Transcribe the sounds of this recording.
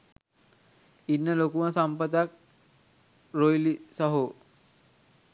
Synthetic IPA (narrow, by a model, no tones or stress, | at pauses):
inːəlokumasampəd̪ak̚ | ɾojlisaɦo